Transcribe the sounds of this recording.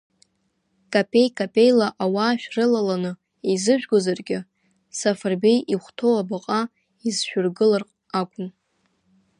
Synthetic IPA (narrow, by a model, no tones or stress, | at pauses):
kʼapʲʼʰe̞jkʼapʼe̞jlaʔawaːʃᶣrɨlalanɨ | ejzɨʒᶣɡʷozarɡʲɪ | safarbe̞jʔiχʷtʰo̞wabaqʼa | izʃᶣʊrɡɨlarqʼ | akʷʼʊn